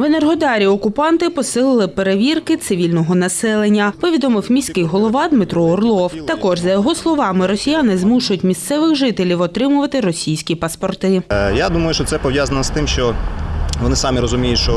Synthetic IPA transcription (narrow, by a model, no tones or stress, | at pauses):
ʋenerɦɔd̪ɑɾʲiɔkʊpɑnt̪ɪpɔsɪlˠɪlˠɪpeɾeʋʲirkɪt̪sɪʋʲilʲnɔɦɔnɐsɛlˠenʲːɐpɔʋʲid̪ɔmɪwmʲisʲkɪjɦɔlˠɔʋɑd̪mɪt̪ɾɔːrlˠɔwt̪ɐkɔʒzɐjɔɦɔslˠɔʋɑmɪɾɔsʲijanɪzmuʃʊjʊtʲmʲist̪sɛʋɪxʒɪt̪elʲiwɔt̪ɾɪmʊʋɐt̪ɪɾɔsʲijsʲkʲipɐspɔrt̪ɪjad̪umɐjʊʃt͡ʃɔt̪sɛpɔʋjazɐnɔst̪ɪmʃt͡ʃɔ | ʋɔnɪsɑmʲiɾɔzʊmʲijʊtʲʃt͡ʃɔ